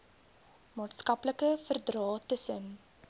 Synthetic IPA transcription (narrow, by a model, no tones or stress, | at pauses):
mɑːtskɐpləkəfərdrɑːtəsən